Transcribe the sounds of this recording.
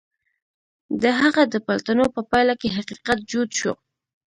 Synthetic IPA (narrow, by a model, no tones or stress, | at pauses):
d̪əɦaɣad̪əpalt̪anopəpajlakeɦaqiqat̪̚d͡ʒud̪ʃo̰